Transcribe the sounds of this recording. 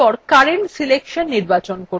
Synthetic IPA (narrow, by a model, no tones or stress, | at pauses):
ɔɾkaɾeɳʈsilekʃonːiɾbat͡ɕonko